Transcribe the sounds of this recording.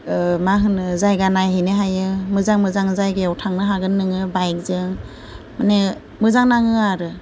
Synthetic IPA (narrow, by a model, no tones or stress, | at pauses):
maɦɯnɯzajɡanajɦɯjnɯɦajɯmɯzaŋmɯzaŋzajɡeawtʰaŋnɯɦaɡɯnːɯŋɯbajk̚zɯŋ | mane | mɯzaŋnaŋɯaɾɯ